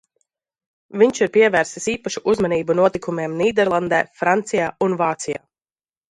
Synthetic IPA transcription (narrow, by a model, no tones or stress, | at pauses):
viɲʲt͡ʃiɾpiɛvæːɾsisiːpaʃuʔuzmaniːbunuɔt̪ikumeɛmniːd̪ɛɾlˠand̪ɛ̰ːfɾant̪sijaːunvaːt̪sija̰ː